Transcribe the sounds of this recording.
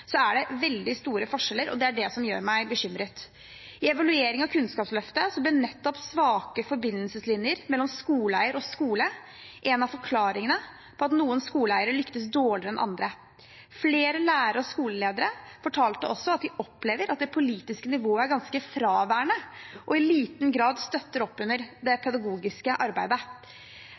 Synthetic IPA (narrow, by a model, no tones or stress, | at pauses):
sɔæɖɛʋɛld̪ɪst̪uːɾəfɔʂɛlːəɾʔɔ̰d̪ɛæɖɛsɔmjø̰ːɾmæɪbəɕʏmɾət̪ | ɪɛʋɑlʉeːɾɪŋɑkʰʉnskɑːpslœft̪əsɔblɪnɛt̪ːɔpsʋɑːkəfɔɾbɪnːəlsəslɪnjəɾmɛlːɔmskuːlæɪəɾɔskuːlə | ʔɛnɑfɔɾkʰlɑːɾɪŋənə | pʰɔɑt̪nuːənskuːlæɪəɾəlʏkt̪əsd̪oːɭɪɾəɛnʔɑ̰nd̪ɾə | fleːɾəlæːɾəɾəɔskuːləleːd̪əɾəfɔʈʰɑːlt̪əɔsːɔɑt̪̚d̪ɪʔɔpːleːʋəɾɑt̪̚d̪ɛpʰʊliːt̪ɪskənɪʋoːəæɾɡɑnskəfɾɑːʋæːɳəʔɔɪliːt̪nɡɾɑːd̪st̪œt̪ːəɾɔpːʉnːəɾd̪ɛpʰɛd̪ɑɡuːɡɪskəʔɑɾbæɪd̪ə